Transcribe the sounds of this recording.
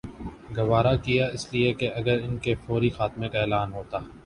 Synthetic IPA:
ɡɐʋaːɾakijaɪsliekeɐɡəɾɪnkefɔːɾixaːt̪mekaeːlaːnɦoːt̪aː

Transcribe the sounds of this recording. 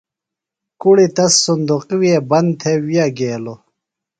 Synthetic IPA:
kuɽit̪ɐsːund̪uqwiebɐnt̪ʰewijaɡeːlo

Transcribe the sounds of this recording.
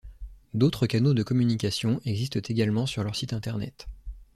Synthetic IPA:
d̪ot̪χəkanod̪əkɔmynikʲasjɔ̃ʔɛɡzist̪ət̪ʰeɡʲalmɑ̃syʁlœʁsit̪ɛ̃t̪ɛʁnɛ̰t̪

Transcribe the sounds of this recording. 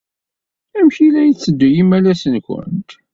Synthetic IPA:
æmçilæjt͡sːəd̪ːujimælæsənkʷə̰nt̪

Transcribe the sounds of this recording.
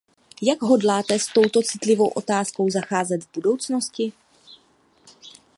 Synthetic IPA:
jaɡɦo̞dlaːt̪ɛst̪o̞wt̪o̞t͡sɪt̪lɪvo̞wʔo̞t̪aːsko̞wzaxaːzɛd̪vbudo̞wt͡sno̞scɪ

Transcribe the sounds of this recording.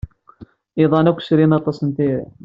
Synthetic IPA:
iðˤɑnækʷːə̥sɾinɑt̪ˤɑsˤənt̪iɾḭ

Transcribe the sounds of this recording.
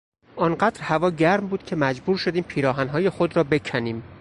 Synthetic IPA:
ʔɒːnɢæːd̪̥ɾhævɒːɟæɾmbuːd̪̥̚cʲʰe̞mæd͡ʒbuːɾʃod̪iːmpʰiːɾɒːɦænɦɒːje̞xod̪ɾɒːbe̞cʰæniːm

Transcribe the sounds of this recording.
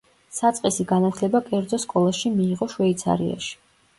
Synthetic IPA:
sat̪sʼqʼɛsiɡanat̪ʰlɛbakʼɛɾd̪zɔskʼɔlˠaʃimiːʁɔʃwɛit̪sʰa̰ɾḭa̰ʃi̥

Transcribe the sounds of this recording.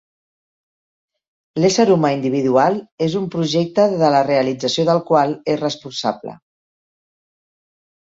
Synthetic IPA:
lesəɾumaind̪iβ̞iðualˠezumpɾuʒek̚t̪əðələreəlid͡zəsioðəlˠkwalesrəspunsa̰blə̰

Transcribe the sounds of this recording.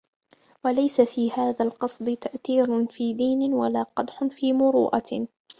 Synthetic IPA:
walajsafiːhaːðaːlqɑsˤd̪ˤɨt̪aʔθiːɾʊfiːd̪iːnɪwalaːqɑd̪ħʊnfiːmʊɾṵːʔa̰

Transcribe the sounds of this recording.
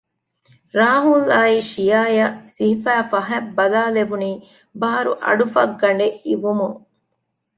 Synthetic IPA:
ɾaːɦulaːiʃijaːjɐsiɦifæːfɐɦɛbːɐlaːleʋuniː | baːɾṵʔɐ̰ɖufɐ̰ɡːɐɳ̆ɖeʔiʋumuŋ

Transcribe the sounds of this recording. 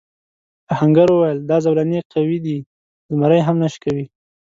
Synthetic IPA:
pahaŋɡaɾwəwajəld̪ɑzawlaneqawid̪i | zmaɾajɦamnaʃkawi

